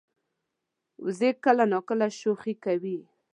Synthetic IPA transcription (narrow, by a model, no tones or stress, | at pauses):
wʊ̰zekəlanɑkəlaʃoxikawi